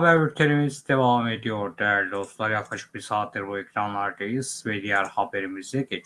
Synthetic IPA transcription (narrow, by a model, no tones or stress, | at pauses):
bæɾyɾt̪ʰeɾimizd̪evamed̪ijo̞ɾd̪æɾd̪ʲiosulˠaɾjakʰlɑʃɯ̥k̚biɾsaːt̪̚d̪ɯɾbuekʰɾanlˠaɾd̪ɯjɯz̥vɛd̪ijæɾhabeɾimizɛɟet͡ʃ